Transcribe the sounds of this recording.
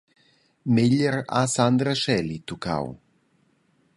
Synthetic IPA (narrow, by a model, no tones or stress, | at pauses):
meʎeɾa̰sand̪ɾaʃɛlit̪uka̰w